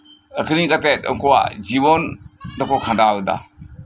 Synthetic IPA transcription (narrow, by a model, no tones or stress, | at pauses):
əkʰɯniɡatetə̰ŋkɔwa̰d͡ʒibɔndɔkɔkʰãndaɯda̰